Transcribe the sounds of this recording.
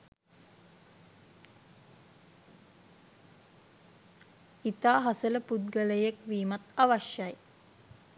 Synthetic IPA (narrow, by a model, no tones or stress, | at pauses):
it̪aːɦasələpud̪̚ɡələjekʋiːmat̪aʋaʃjaj